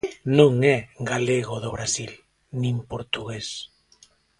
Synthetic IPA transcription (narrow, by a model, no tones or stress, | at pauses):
nõŋɛɡaleɣoðoβɾasil | nĩmpoɾt̪uɣes